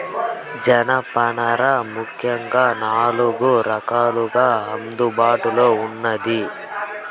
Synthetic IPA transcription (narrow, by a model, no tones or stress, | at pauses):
d͡ʒɐnɐpɐnɐɾɐmukʰjɐŋɡaːnaːluɡuɾɐkaːluɡɐɐnd̪ubaːʈuloːunːɐd̪i